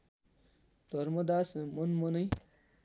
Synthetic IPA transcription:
d̪ʱʌɾmʌd̪asmʌnmʌnʌj

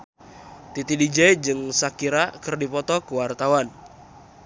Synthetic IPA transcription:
t̪it̪idid͡ʒɛid͡ʒɨŋsakiɾakɨrdipɔt̪ɔkəwart̪awan

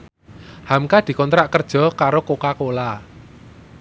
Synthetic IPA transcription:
hamkad̪̥i̤kɔnt̪ɾaʔkərd̥ʒ̥ɔ̤kaɾokokakola

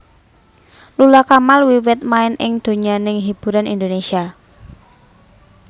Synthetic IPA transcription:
lulakamalwiwɪt̪̚maɪnʔɪŋd̪̥o̤ɲanɪŋɦib̥ṳɾanḭnd̪onesia

